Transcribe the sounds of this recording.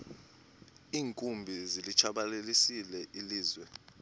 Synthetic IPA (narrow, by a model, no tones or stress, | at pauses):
iːŋkʼumbʱizilit͡ʃʰaɓalelisilɛʔiliːzwɛ